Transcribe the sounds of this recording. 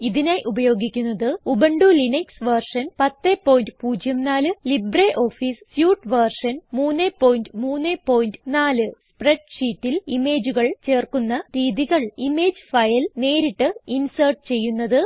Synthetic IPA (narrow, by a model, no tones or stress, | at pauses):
iðinaːjʔubɐjo̞ːɡikʲːunːɐðɨubɐɳɖulinɐksʋɐrʂɐnpɐt̪ːepːo̞ːjndpuːd͡ʑjɐmnaːlɨlibreːʔo̞ːfiːssjuːʈʋɐrʂɐnmuːnːepːo̞ːjndɨmuːnːepo̞ːjindɨnaːlɨspreɖʂiːtːilime̞ːd͡ʑuɣɐɭt͡ɕe̞ːrkunːɐɾiːðiɣɐɭime̞ːd͡ʑɨfɐjɐlne̞ːɾiʈːɨinsɐrʈ̚ɨt͡ɕe̞jːunːɐðɨ